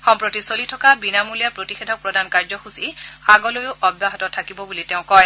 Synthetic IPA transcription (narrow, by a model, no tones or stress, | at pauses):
xɔmpɹotisolitʰɔkabinamulijapɹotixedʱɔk̚pɹɔdankaɹzɔxusiaɡɔlojʊʔɔbjaɦɔtɔtʰakibɔbuliteʊ̃kɔj